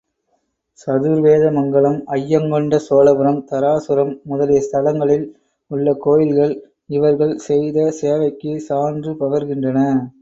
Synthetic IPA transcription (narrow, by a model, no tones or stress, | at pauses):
sɐðɯɾʋeːðɐmɐŋɡɐɭɐmɐjːɐŋɡɔɳɖɐsoːlɐbɯɾɐmt̪ɐɾaːsɯɾɐmːʊðɐlɪjɐst̪ʰɐlɐŋɡɐɭɪl | ʊɭːɐkoːjɪlɣɐɭ | ɪʋɐɾɣɐɭsɛjðɐseːʋɐɪkːɯsaːndrɯpɐʋɐɾɣɪndrɐnɐ